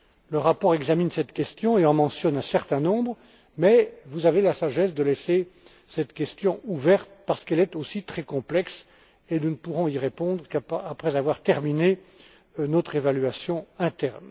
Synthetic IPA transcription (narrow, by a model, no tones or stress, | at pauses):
ləʁapɔʁɛɡzaminsɛt̪kʲɛst̪jɔ̃eɑ̃mɑ̃sjɔnɛ̃sɛʁt̪ɛ̃nɔ̃bʁ | mɛvuzavelasaʒɛsd̪əlɛse | sɛt̪kʲɛst̪jɔ̃uvɛʁt̪paʁsə̥kɛlɛt̪osit̪χɛkɔ̃plɛks | enunəpuʁɔ̃iʁepɔ̃d̪ʁəkaapχɛzavwaʁt̪ɛʁmine | nɔt̪χevalɥasjɔ̃ɛ̃t̪ɛʁn